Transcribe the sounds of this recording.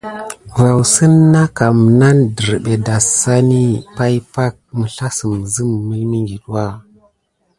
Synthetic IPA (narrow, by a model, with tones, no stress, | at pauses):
ɾa˨wsə˦nːa˦ka˨mə˨na˦ndə˨ɾɓe˨da˨sa˦ni˦pa˦jpa˦k̚mə˨ɬa˦sə˨m˨zə˦mː˨ə˦mi˦ŋɡi˨ɗwa˦˨